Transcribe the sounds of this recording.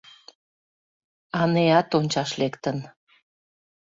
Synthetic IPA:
ɑneɑt̪onʲt͡ɕɑʃlekt̪ən

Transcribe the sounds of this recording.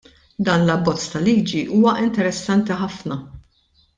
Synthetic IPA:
d̪ɐːnlɐbːɔt͡sːt̪ɐliːd͡ʒiʔuːwɐʔɪnt̪ɛɾɛsːɐnt̪iħɐfnɐ

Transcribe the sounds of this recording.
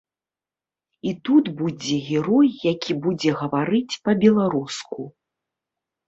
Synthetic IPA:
it̪ud̪bud͡zʲɛɣʲɛɾɔjːakʲibud͡zʲɛɣɐvaɾɨt͡sʲpɐbʲɛlˠaɾusku

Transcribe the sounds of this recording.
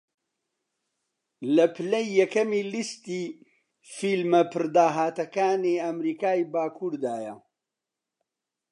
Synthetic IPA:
lɐpʰɨlɐjːɐkɐmiːlist̪iː | filmɐpʰɨɾd̪aːɦaːt̪ɐkaːniɐmɾiːkaːjbaːkʰuːɾd̪aːjɐ

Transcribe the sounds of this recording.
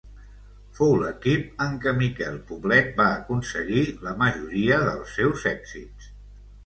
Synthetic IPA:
fowləkip̚əŋkəmikɛlˠpuβlɛt̪̚baəkunsəɣiləməʒuɾiəðəlˠsːɛwzɛɡz̥is

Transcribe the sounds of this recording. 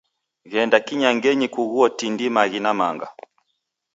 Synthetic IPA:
ɣɛndakiɲaŋɡɛɲikuɣuɔtindimaɣinamaŋɡa̰

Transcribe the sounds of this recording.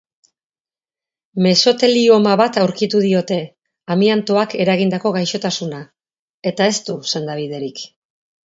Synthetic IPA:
me̞so̞t̪e̞lio̞maβat̪awɾkit̪uðio̞t̪e̞ | amiant̪o̞ake̞ɾaɣ̞ind̪ako̞ɣajʃo̞t̪asuna | e̞t̪ae̞st̪use̞nd̪aβ̞ið̞e̞ɾik

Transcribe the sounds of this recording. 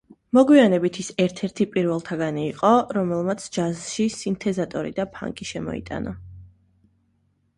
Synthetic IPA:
mɔɡwianɛbit̪ʰisɛɾt̪ʰɛɾt̪ʰipʼiɾvɛlˠt̪ʰaɡaniːqʼɔɾɔmɛlˠmat̪sʰd͡ʒazʃisint̪ʰɛzat̪ʼɔɾḭd̪apʰa̰ŋkʼiʃɛmɔ̰ḭt̪ʼa̰nɔ̰

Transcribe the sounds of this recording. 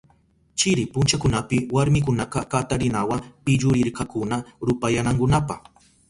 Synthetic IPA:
t͡ʃɪɾɪpʊnt͡ʃakʊnapɪwaɾmɪk̬ʊnaqɑkat̪aɾɪnawapɪʎʊɾɪɾkakʊnaɾʊpajanaŋkʊnapɑχ

